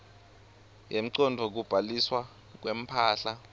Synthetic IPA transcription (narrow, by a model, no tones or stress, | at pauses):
jem̩ǀɔndʱɔk̬ub̥ʱaliswa | k̬wem̩pʰaːɬa